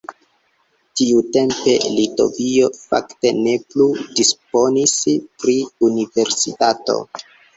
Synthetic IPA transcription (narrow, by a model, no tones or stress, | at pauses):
tiute̞mpe̞lito̞̰vio̞fa̰kte̞ne̞pludisp̚o̞nispɾiunive̞ɾsitato̞̰